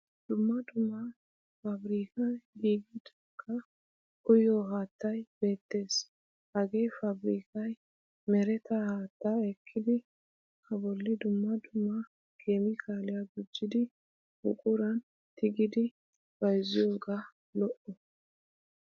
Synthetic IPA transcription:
d̪̥ʊmːɐd̪ʊmːɐ | fɐbɾiːkɐɡiːɡɪd̪ | kʰːɐ | ʔʊjoːɦaːt̪ːɐjbe̞ːt̪ːe̞ːs | hɐɡe̞jfɐbɾiːkɐj | mɛɾɛt̪ɐhaːt̪ːaɛkʰːɪd̪ɪ | kʰɐbɔlːɪd̪ʊmːɐd̪ʊmːɐ | ɡ̥e̞ːmɪkʰaːlɪjɐɡʊd͡ʒːɪd̪ɪ | bʊ̰kʼʊɾɐn | t̪ɪɡɪd̪ɪ | b̥ɐjzɪjoːɡa | lɔʔɔ

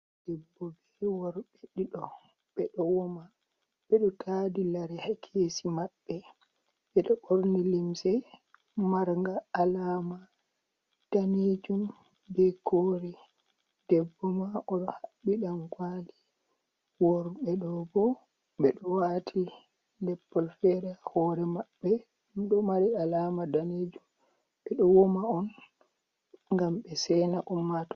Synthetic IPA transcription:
d̥ɛbːɔbɛwɔɾɓeɗiɗɔ | ɓɛɗɔwɔma | ɓɛɗɔtʰaːdilaɾɛhakʰesimaɓːɛ | ɓɛɗɔɓoɾnilimsɛ | maɾŋɡaːlaːma | d̥aned͡ʒum | bɛkʰoːɾɛ | d̥ɛbːɔmaʔɔɗɔhaɓːiɗamkwali | wɔɾɓɛɗɔbɔ | ɓɛɗɔwatʰi | lɛpːɔlfɛɾahɔɾɛmaɓːɛ | mɗɔmaɾialamadaned͡ʒum | ɓɛɗɔwomaɔn | ŋɡamɓɛsɛnaʔumːatɔ̥

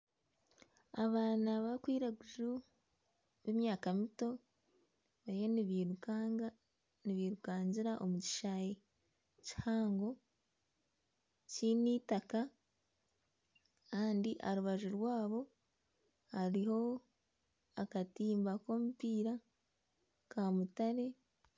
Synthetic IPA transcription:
aβaːnaβakwiːɾaɡuʒu | βe̞mjaːkamito̞ | βaijoniβiɾuka | niβiɾukaːɲɟiɾaʔo̞muci̥ʃaje | ci̥haːŋɡo̞ | ciniːtaka | kaːndiʔaɾuβaʒuɾwaːβo̞ | haɾiho̞ | akatiːmbako̞mupiːɾa | kamutaɾe̞

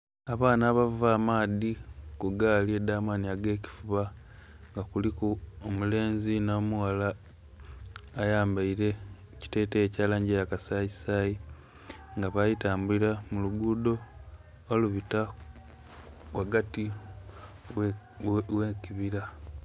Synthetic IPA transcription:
aβaːnaːβavaːmaːðikuɡaːlie̞daːmaniaɡe̞ːci̥fuβa | ŋɡakulikuomule̞ːnzinoːmuwala | jaːmbaiɾe̞ | ci̥te̞ːteːcaːlaːɲɟejakasajisaji | ŋɡaβajitaːmbuiɾamuluɡuːdo̞ː | luβita | kwaɡati | weːkiβiɾa

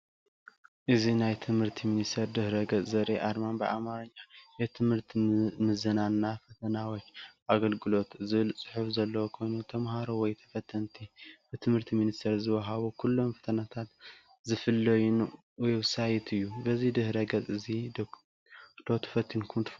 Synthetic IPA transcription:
ʔɨzinajt̪ʰɨmhɨɾt̪ʰiminist̪ʰeɾd̪ɨhɾɐɡɐt͡sʼzɐɾʔeʔaɾmanbɨʔa̰maɾɐɲːajɛt̪ʰɨmhɨɾt̪ʰimɨzɨnanːafɐt̪ʰɐnawot͡ʃːʔaɡɐlɡɨlo̞t̪zɨβɨlsʼɨ̥ħufzɐlːɐwokʰo̞jnut̪ʰɐmɦaɾowɔjt̪ʰɐ̥fɐt̪ʰːɐnt̪ʰib̥ɨt̪ʰɨmhɨɾt̪ʰiminist̪ʰɐɾzɨwɐɦaβukʰulːo̞mfɐ̥t̪ʰɐnat̪ʰat̪ | zɨfɨlːɐjun | wɔjwʊsajɛt̪ʰɨjːubɐzid̪ɨhɾɐɡɐt͡sʼɨzi | d̪̥ot̪ʰɐ̥fɐt̪ʰːinkʰumt̪ʰ

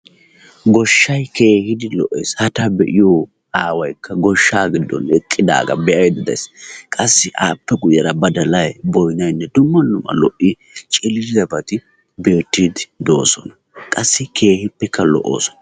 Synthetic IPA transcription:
ɡɔʃːɐjke̞ːhɪd̪ɪlɔʔḛːshɐt̪ɐbɛʔɪjoː | aːwɐjkʰːɐɡɔʃːaːɡɪd̪ːɔ̰nɛkʼːɪd̪a̰ːɡɐ̰bɛʔɐjd̪ɪd̪ɐ̰jskʼɐsːɪʔa̰ːpːɛɡʊjɐɾɐbɐd̪ɐlɐjbɔjnɐjnːɛd̪ʊmːɐnːʊmɐ̰lɔʔɪ | t͡ʃʼɪlɪɪzɐbɐt̪ɪ | be̞ːt̪ːiːd̪ɪd̪oːsɔnɐ | kʼɐsːɪkʰe̞ːhɪpːɛkʰːɐlɔ̰ʔːo̰ːsɔ̥nɐ

